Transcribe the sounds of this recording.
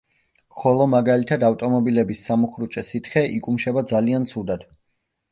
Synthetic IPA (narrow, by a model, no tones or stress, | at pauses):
χɔlˠɔmaɡalit̪ʰad̪aft̪ʼɔmɔbilɛbisːamuχɾut͡ʃʼɛsit̪ʰχɛʔikʼumʃɛbad̪zaliant̪sʰud̪ad̪̥